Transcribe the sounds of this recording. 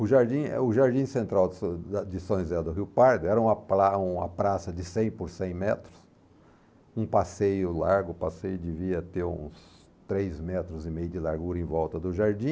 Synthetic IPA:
ʊʒaɾd͡ʒĩɛ̰ʊʒaɾd͡ʒĩsẽnt̪ɾaw̪d̪ɪsõzɛd̪ʊɦiwpaɾd̪ʊɛɾɐũmɐpɾaũɐ̰pɾasɐd͡ʒ̪ɪsẽj̃poɾsẽj̃mɛt̪ɾʊs | ũpasejʊlaɾɡʊpasejʊd̪ɪviɐt̪eɾṵ̃s | t̪ɾejzmɛt̪ɾʊzɪmejʊd̪ɪlaɾɡuɾɐẽvɔwt̪ɐd̪ʊʒaɾd͡ʒĩ

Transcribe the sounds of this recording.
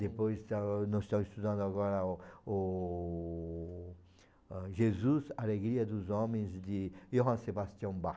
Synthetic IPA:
d̪epojst̪anõsist̪ãwist̪ud̪ãnd̪ʊaɣɔɾɐo | ʒezuzaleɡɾiɐd̪uzɔ̃mẽzd̪ɪoɦãsebast̪jɐ̃w̃ba

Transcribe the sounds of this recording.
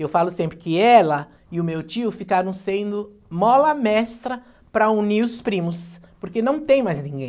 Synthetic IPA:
ewfalʊsẽmpɾɪkɪɛlɐ | ɪʊmewt͡ʃiʊfikaɾɐ̃w̃sẽnd̪ʊ | mɔlɐmɛst̪ɾɐ | pɾɐuniɾʊspɾĩmʊs | poɾkenɐ̃w̃t̪ẽj̃majznĩɡẽj

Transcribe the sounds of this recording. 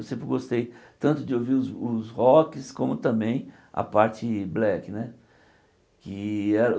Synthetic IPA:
wsẽmpɾɪɡost̪ejt̪ɐ̃nt̪ʊd͡ʒɪowviɾʊzʊzhɔkɪskõmʊt̪ɐ̃mbẽj̃ | ɐ̰paɾt͡ʃɪblɛkɪnɛ | kɪɛɾɐ

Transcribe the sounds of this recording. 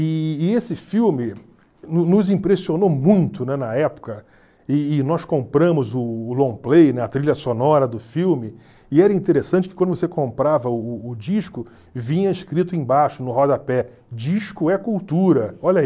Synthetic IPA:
ɪːesɪfiwmɪ | nʊnʊzĩpɾesionomũj̃t̪ʊnɛnɐɛpʊ̥kɐ | ɪːnɔskõmpɾɐ̃mʊzʊːlõplejnɛɐt̪ɾiʎɐsonɔɾɐd̪ʊfiwmɪ | ɪɛɾɐĩnt̪eɾesɐ̃t͡ʃɪ̥kɪkwɐ̃d̪ʊvosekõmpɾavɐʊːd͡ʒiʃkʊ | vĩɲɐiʃkɾit̪ʊẽj̃baʃʊnʊɦɔd̪ɐpɛ | d͡ʒiʃkʊɛkuwt̪uɾɐɔʎɐi

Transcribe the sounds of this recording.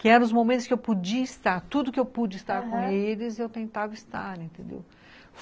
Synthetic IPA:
kɪɛɾɐ̃ʊzmomẽt̪ʊskɪewpod͡ʒiɐist̪aɾt̪ud̪ʊkɪewpud͡ʒɪist̪aɾkõelɪzewt̪ẽt̪avɪist̪aɾẽnt̪ẽd̪ḛw | f

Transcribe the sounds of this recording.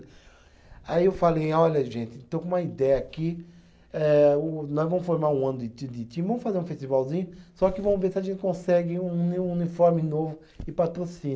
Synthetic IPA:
aiewfalejaɔʎɐʒẽt̪ɪẽt̪õw̃koũmɐid̪ɛjɐaːki | ɛʊnɔjzvɐ̃mʊsfoɾmaɾũɐ̃nʊd̪ɪt̪ĩd̪ɪt̪ĩvɐ̃mʊsfazeɾũfesʃt̪ivawzĩɲʊsɔkɪvɐ̃mʊveɾsiɐʒẽnt̪ɪkõsɛɡɪũunifɔɾmɪnovʊ | ɪpat̪ɾosĩn

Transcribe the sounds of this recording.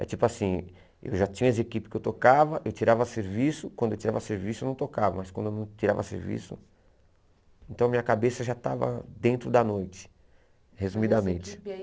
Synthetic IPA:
ɛ̰t͡ʃipʊasĩ | ḛwʒat͡ʃĩɲɐes̬ekipɪ̥kɪewt̪okavɐʔewt͡ʃiɾavɐseɾvisʊkwɐ̃nd̪ʊewt͡ʃiɾavɐseɾvisʊewnɐ̃w̃t̪okavɐmɐskwɐ̃d̪ʊewnɐ̃w̃t͡ʃiɾa̰vɐ̰sḛɾvḭsʊ̰ | ẽnt̪ɐ̃w̃ɐmĩɲɐkabesɐʒat̪a̰vɐ̰d̪ẽnt̪ɾʊd̪ɐnojt͡ʃɪ̥ | hezumid̪ɐmẽnt͡ʃɪ̥

